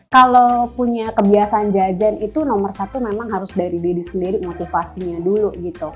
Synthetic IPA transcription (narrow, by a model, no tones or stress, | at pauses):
kalopuɲakəbiasaand͡ʒad͡ʒanit̪unɔmərsat̪umemaŋɦaɾʊsdaɾididisəndiɾimot̪ifasiɲaduluɡit̪u